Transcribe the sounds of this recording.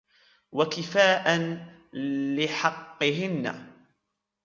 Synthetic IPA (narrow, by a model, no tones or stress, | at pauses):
wakɪfaːʔan | lɪħɑqːɨɦɪnːa̰